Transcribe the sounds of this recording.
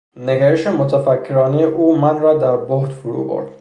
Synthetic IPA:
ne̞ɡæɾeʃemot̪ʰæfækʰːe̞ɾɒːnejeʔuːmænrɒːd̪æɾbohd̪fuɾṵbo̰ɾd̪̥

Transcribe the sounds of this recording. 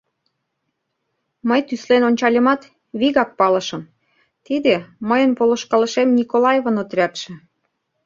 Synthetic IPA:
məjt̪yslenonʲt͡ɕɑlʲəmɑt̪ | βiɣɑk̚pɑlɤ̆ʃə̆m | t̪id̪eməjənpolŏʃkɑlə̆ʃemnʲikolɑjevonot̪rʲæt̪ʃĕ

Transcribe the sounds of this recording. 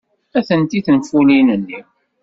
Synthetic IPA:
æθənt̪iθənfulinənːi

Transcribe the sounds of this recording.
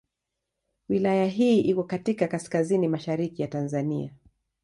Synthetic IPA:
wilajaɦiːʔikɔkatikakaskazinimaʃaɾikijatanzania

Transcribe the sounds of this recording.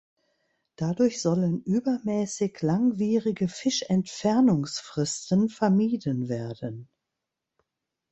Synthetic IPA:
d̥adʊɐçz̥ɔlənʔyːbɐmɛːsɪçlaŋviːʁɪɡəfɪʃɛntfɛɐnʊŋsfʁ̥ɪstənfɛɐmiːdənveːɐdən

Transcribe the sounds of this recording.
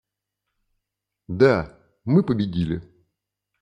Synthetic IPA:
d̪a | mɨpəbʲɪdʲilʲɪ

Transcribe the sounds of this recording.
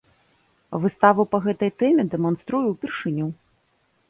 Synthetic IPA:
vɨst̪avɐpɐɣɛt̪ɐjt̪ɛmʲɛd̪ɛmɔnst̪ɾujuwpʲɛrʂɨnʲu

